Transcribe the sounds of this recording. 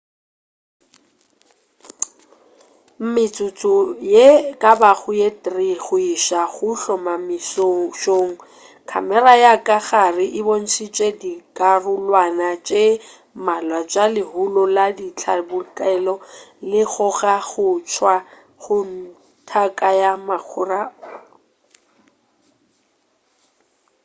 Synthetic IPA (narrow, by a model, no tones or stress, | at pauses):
m̩mɪt͡sʼʊt͡sʼʊjekʼabaɣʊjetriɣʊiʃaɣʊɬɔmamisʃoŋ̩ | kʰa̰mɛrajakʼaɣarɪʔɪbon̩sʰit͡ʃʼedikʼarʊlwanat͡ʃʼe | malwat͡ʃʼalɪɦʊlɔladit͡ɬʰabʊkʼɛlɔlɪɣʊɣaɣʊt͡ʃʰwa | χʊn̩ | tʰakʼajamaq͡χʰʊraɔ